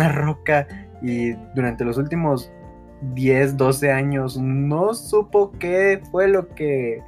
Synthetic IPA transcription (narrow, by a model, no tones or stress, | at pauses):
aro̞ka | id̪uɾant̪e̞lo̞sult̪imo̞z | d̪je̞s̬d̪o̞se̞aɲo̞zno̞supo̞kefwe̞lo̞ke